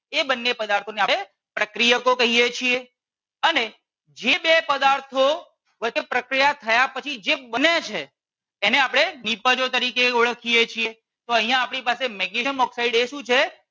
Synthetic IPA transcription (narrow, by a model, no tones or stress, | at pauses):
ebənːepəd̪aɾt̪ʰoneae | pɾəkɾijəkokəɦijet͡ʃʰie | əne | d͡ʒebepəd̪aɾt̪ʰo | ʋət͡ʃepɾəkɾijat̪ʰəjapət͡ʃʰid͡ʒebənːet͡ʃʰeː | neapɽ̃enipəd͡ʒot̪əɾikeuɭəkʰijet͡ʃʰie | t̪oəɦijãːpɽ̃ipasemɛɡiʃəmɔksaiɽeʃũt͡ʃʰe